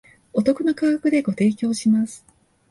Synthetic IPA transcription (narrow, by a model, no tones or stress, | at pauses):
o̞t̪o̞kɯ̟no̞kaːakɯ̟d̪e̞ɡo̞t̪e̞ːkʲo̞ːɕimasɨ̥